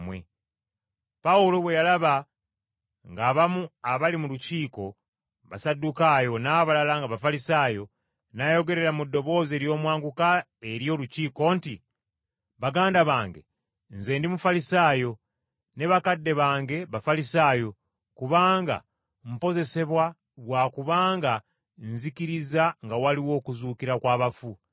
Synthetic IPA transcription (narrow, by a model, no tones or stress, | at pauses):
mwḛ | paulo̞βwe̞jalaβa | ŋɡaːβamuaβalimuluciːko̞ | βasadːukajo̞naːβalalaŋɡaβafalisaːjo̞ | naːjo̞ɡe̞ɾe̞ɾamudːo̞βo̞ːze̞ːɾjo̞ːmwaːŋɡuka | e̞ɾjo̞ːluciːko̞ːnti | βaɡaːndaβaːŋɡe̞̰ | nze̞ːndimufalisaːjo̞ | ne̞βakadːe̞βaːŋɡe̞βafalisaːjo̞ | kuβaːŋɡa̰ | m̩po̞ze̞se̞βwa | ɡwaːkuβaːŋɡa | nzikiɾizaŋɡawaliwo̞ːkuzuːkiɾakwaːβafu